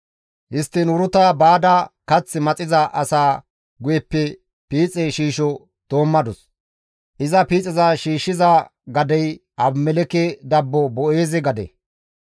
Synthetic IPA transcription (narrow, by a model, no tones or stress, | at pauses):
hɪst̪ːɪnʊɾʊt̪ɐbaːd̪ɐkɐt͡sːɪmɐt͡sʼɪzɐʔɐsaː | ɡʊjɛpːɛ | piːt͡sʼɛʃiːʃɔ | t̪oːmːɐd̪ɔs | ʔɪzɐpiːt͡sʼɪzɐʃiːʃːɪzɐ | ɡɐd̪ɛj | ɐbmɛlɛkɛd̪ɐbːɔbɔeːzɪɡɐd̪ɛ̰